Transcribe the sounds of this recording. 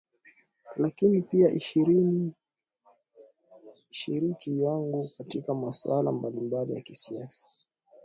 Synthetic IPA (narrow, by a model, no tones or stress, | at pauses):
lakinipiaʔiʃiɾini | ʃiɾikijaŋɡukatikamaswala̰mbalimbalijakisiasḁ